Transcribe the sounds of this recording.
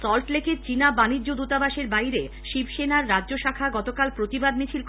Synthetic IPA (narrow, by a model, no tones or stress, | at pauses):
sɔlʈleket͡ɕinabaniːod̪ut̪abaʃeɾbajɾe | ʃibʃenaɾːadʑoʃakʰaɡɔt̪okalpɾot̪ibad̪mit͡ɕʰilk